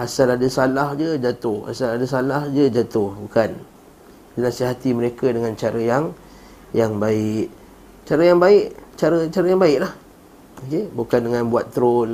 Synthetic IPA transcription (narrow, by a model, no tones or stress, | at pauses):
ʔasaladəsalahd͡ʒəd͡ʒat̪ʊha̰saladəsalahd͡ʒəd͡ʒat̪ʊhbukan | dənasiɦat̪iməɾekadəŋãnt͡ʃaɾəjaŋ | jaŋbaɪʔ | t͡ʃaɾəjaŋbaɪʔt͡ʃaɾət͡ʃaɾajaŋbaɪʔlah | okebukandəŋãnbuat̪ːəɾʊn